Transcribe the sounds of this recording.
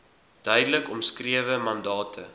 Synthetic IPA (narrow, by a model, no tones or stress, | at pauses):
d̥œɥdələkɔmskriəvəmɐndɑːtʰə̰